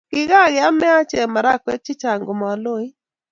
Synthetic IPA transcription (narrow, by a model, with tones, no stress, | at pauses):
kɪ˨ɡa˦˨ɡɪa˦mɛ˦a˦t͡ʃɛ˨ma˨ɾa˦kwɛ˦t͡ʃɪ˦t͡ʃa˨ŋɡo˨mɔ˨a˨lo˦i˦